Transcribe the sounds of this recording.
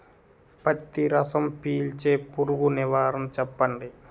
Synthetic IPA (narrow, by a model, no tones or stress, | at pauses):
pɐt̪ːiɾɐsɐmpiːlt͡ʃeːpuɾuɡuniʋaːɾɐmt͡ʃɛpːɐɳɖi